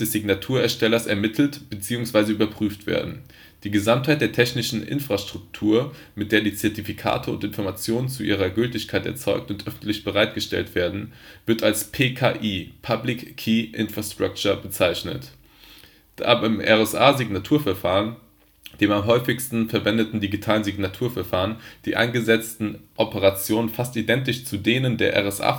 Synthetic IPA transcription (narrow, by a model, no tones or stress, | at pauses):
d̥ɛsz̥ɪɡnatʰuːɐɛɐʃtɛlɐsɛ̰ɐmɪtʰl̩tb̥ət͡siːʊŋsv̥aɪzəyːbɐpʁ̥yːftv̥ḛːɐdn̩ | d̥iːɡəzamthaɪt̚d̥eːɐtʰɛçnɪʃn̩ʔɪ̰nfʁ̥aʃtʁ̥ʊktʰuːɐ | mɪt̚d̥eːɐdiːt͡sɛɐtifikʰa̰ːtʰəʊ̰ntɪnfɔɐmat͡sjoːnənt͡suʔḭːʁ̞ɐɡʏltɪçkʰaɪtɛ̰ɐt͡sɔʏk̚tʊntʔœfn̩tlɪçb̥əʁaɪt̚ɡ̥əʃtɛ̰ltv̥eːɐdn̩vɪɐtalspʰeːkʰa̰ːʔiːpʰablɪkːʰiːʔɪ̰nfʁ̥astʁ̥ak̚t͡ʃɐbət͡saɪçnə̰t | d̥a̰ːbaɪmʔɛ̰ʁɛsʔaːziɡnatʰuːɐfɛɐfaːʁən | d̥eːmamɦɔʏfɪçstn̩fɛɐvɛndətn̩diɡitʰaːlənziɡnatʰuːɐfɛɐfaːʁənd̥ḭːʔa̰ɪnɡəzɛt͡stn̩ʔɔpəʁat͡sjoːnənfastidɛntɪçt͡sudeːnəndeːɐʔɛ̰ʁɛsʔa̰ː